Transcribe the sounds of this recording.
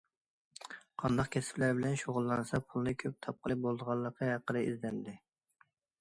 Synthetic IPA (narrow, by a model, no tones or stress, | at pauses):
qʰɑnd̪ɑqkʲʰɛsɪ̥plæɾbɪlɛnʃoʁʊlˠːɑnɨsɑpʰulˠnɨkʲʰøp̚t̪ʰɑp̚qʰəlˠɨp̚bolˠd̪əʁɑlˠːəqʰːɑɦæqːəd̪ɨizd̪ɛnd̪ɪ